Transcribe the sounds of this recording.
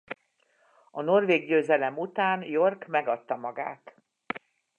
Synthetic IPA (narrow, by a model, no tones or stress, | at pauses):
ɒno̞rveːɡɟøːzɛlɛmut̪aːnjo̞rkmɛɡɒt̪ːɒmɒɡa̰ːt̪